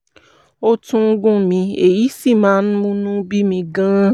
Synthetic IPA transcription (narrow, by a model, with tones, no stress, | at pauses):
o˦tũ˦ŋ̩˦ɡũ˦mĩ˧e˨ji˨˦si˦˨mãː˨˦ñ̩˦mũ˦nũ˦bi˦mĩ˧ɡã˦